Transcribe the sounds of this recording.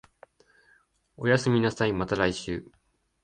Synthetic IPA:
o̞jasɨmʲinasaimat̪aɾaiɕɨ̰ː

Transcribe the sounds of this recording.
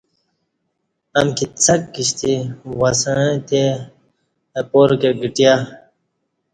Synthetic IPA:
ɐmkit͡sɐkːiɕt̪iwɐsãt̪e | poɾkeɡiʈija

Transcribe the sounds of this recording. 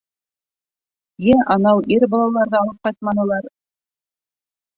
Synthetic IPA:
jæʔɑnɑwʔiɾbɑlˠɑlˠɑɾðɤːlˠɤp̚qɑjt̪̚mɑnɤ̆lˠɑɾ

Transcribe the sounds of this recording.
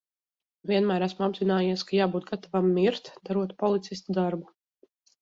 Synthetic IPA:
vʲiɛnmæːɾæsmuabzinaːjiɛskajaːbuːt̪̚ɡat̪avamːiɾt̪d̪aɾuɔt̪pɔlˠit̪sist̪ud̪aɾbu

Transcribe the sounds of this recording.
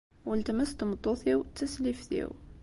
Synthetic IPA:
wəlt̪əməst̪əmət̪ˤːuθjəwt̪ːəslifθjḭw

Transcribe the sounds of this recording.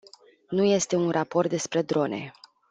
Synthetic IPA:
nuje̞st̪e̞unrapo̞rt̪̚d̪e̞spɾe̞d̪ɾo̞ne̞̰

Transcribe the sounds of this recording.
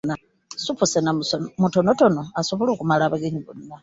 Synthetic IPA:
na | supusenamutonotonoasoβoloːkumalaβaɡeɲiβunnːa

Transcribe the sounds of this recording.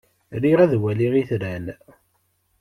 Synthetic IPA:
ɾiʁæðwæliʁiθɾæn

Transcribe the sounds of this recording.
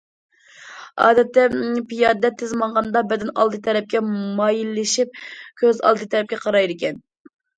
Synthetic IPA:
ɑ̰ːd̪ɛt̪ːɛpijɑːdd̪ɛt̪ʰːɪzmɑnʁɑnd̪ɑbɛd̪ɪnɑ̰lˠd̪ɨt̪ʰɛɾɛp̚kʲɛmɑjilːɪʃip̚kʲʰøzɑ̰lˠd̪ɨt̪ʰɛɾɛp̚kʲɛqʰɑɾɑjɾɪkʲɛn

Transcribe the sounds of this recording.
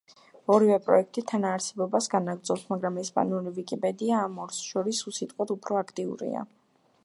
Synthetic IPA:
ɔɾivɛpʼɾɔ̰ɛk̚ʰt̪ʼit̪ʰanaːɾsɛbɔbasɡanaɡɾd̪zɔpsmaɡɾamɛspʼa̰niuɾivikʼipʼɛd̪iaːmɔɾsʃɔɾisusit̪ʼqʼwad̪upʰɾɔakʰt̪ʼiṵɾḭa̰

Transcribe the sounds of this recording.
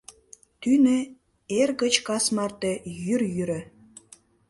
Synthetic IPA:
t̪ynĕ | erɣə̆t͡ɕkɑsmɑrt̪ejyrjyɾə̆

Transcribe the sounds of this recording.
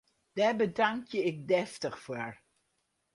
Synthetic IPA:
d̥abədaŋkjəɪk̚dɛftəχfoɹ

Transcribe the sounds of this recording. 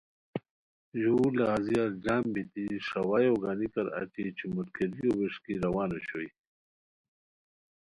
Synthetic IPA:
julaːziaɾd͡ʑaːmbit̪iʂɐwaːjoɡanikɐɾɐ̰ʈ͡ʂit͡ɕʰimut̪kʰeɾijowiʂkiɾɐwaːnoɕoj

